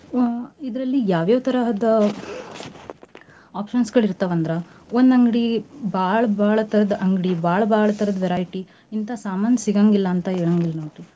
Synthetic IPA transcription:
id̪ɾɐlːijaːʋjaːʋɐt̪ɐɾɐɦɐd̪ɐ | aːpʃɐnsɡɐɭiɾt̪aʋɐnd̪ɾɐond̪ɐŋɡɽibaːɭɐbaːɭɐt̪ɐɾɐd̪ɐʔɐŋɡɽibʱaːɭɐbʱaːɭɐt̪ɐɾɐd̪ɐʋɛɾaːjʈi | int̪ɐsaːmaːnjɐsiɡaːŋɡilːɐːnt̪ɐɦeːɭaːŋɡilːɐnoːʈi

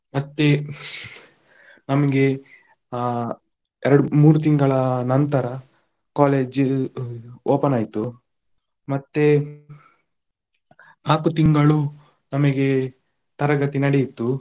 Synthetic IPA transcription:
mɐt̪ːe | nɐmɐɡe̞ | ɛɾɐɽumuːɾut̪̬iŋɡɐɭɐnɐnt̪ɐɾɐ | kaːleːd͡ʒ | oːpɐnaːjt̪u | mɐt̪ːe | naːkut̪iŋɡɐɭu | nɐmɐɡe̞ | t̪ɐɾɐɡɐt̪inɐɽejit̪ːu

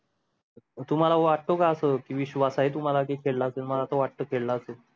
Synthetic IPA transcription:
t̪um̤alaʋaʈːokaəsəkiːʋiɕʋasaɦet̪um̤alakiːkʰeɭlaəsənməlat̪oʋaʈːəkʰeɭlaəsə

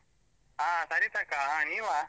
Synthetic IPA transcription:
ɦãsaɾiːt̪akaɦãniʋa

